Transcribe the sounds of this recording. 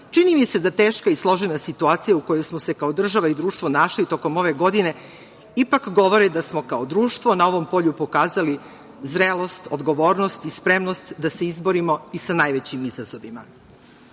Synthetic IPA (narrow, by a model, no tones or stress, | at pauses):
t͡ʃinimise̞d̪at̪eːʃkaislˠo̞ʒenasit̪uaːt̪sijauko̞jojsmose̞kaod̪r̩ʒaʋaid̪ɾuːʃt̪ʋo̞naʃlit̪o̞ko̞mo̞ʋe̞ɡo̞d̪ine̞ | ipakɡo̞ʋo̞ɾed̪asmo̞kaod̪ɾuːʃt̪ʋonao̞ʋo̞mpo̞ʎupo̞kaːzali | zɾelo̞st̪od̪ɡo̞ʋoːɾno̞st̪ispɾemno̞st̪d̪ase̞izboɾimo̞isanajʋet͡ɕimizazo̞ʋima